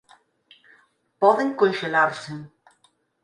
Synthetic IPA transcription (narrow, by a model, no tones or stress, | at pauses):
pɔðeŋkonʃelaɾseŋ